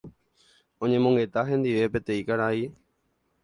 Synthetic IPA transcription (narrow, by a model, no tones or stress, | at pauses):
õ̞ɲẽ̞mõ̞ŋɡe̞t̪aɦẽ̞nd̪iʋe̞pe̞t̪ẽ̞ĩkaɾai